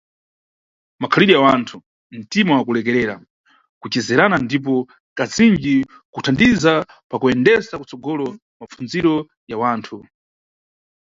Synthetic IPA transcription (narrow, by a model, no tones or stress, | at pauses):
makʰaliɾijawantʰu | m̩timawakulɛk̬ɛɾɛːɾa̰ | kut͡ʃɛzɛɾanandip̬ɔ | kazind͡ʒi | kutʰandiza | pakuɛndɛsakut͡sɔɡɔlɔ | map͡funziɾɔ | jawaːntʰu